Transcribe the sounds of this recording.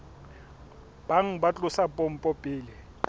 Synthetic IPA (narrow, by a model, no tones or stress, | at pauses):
b̥aŋ̩bat͡ɬʼʊsapʼɔm̩pʼɔpʼiːlɪ